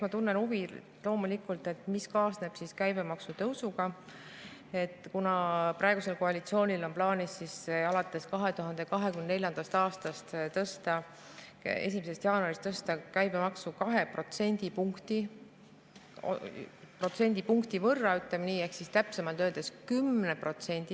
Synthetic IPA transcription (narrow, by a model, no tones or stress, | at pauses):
mɑt̪unːenuvi | lo̞ːmulikˑult̪ˑe̞t̪ˑmiskɑːsne̞b̥siskæjbe̞mɑksut̪ɤwsuɡ̥ɑ | e̞t̪ːˑkunɑprɑe̞ɡ̥use̞lko̞ɑlit̪sio̞ːnʲilo̞nplɑːnʲisːisɑlɑt̪ːˑe̞skɑɦe̞t̪uɦɑnd̪e̞kɑɦe̞kymnene̞lʲjɑnd̪̥ɑst̪ɑːst̪ɑst̪t̪ɤst̪ɑ | e̞̰sʲimese̞st̪jɑːnuɑɾist̪ɤst̪ɑkæjb̥e̞mɑksukɑɦe̞pro̞t̪se̞nʲd̪̥ipuŋkt̪i | o̰pro̞t̪se̞nʲd̪̥ipuŋkt̪ivɤrːɑyt̪lemniːe̞hksist̪æpse̞mɑlt̪øːld̪̥eskymnepro̞t̪se̞nʲd̪̥i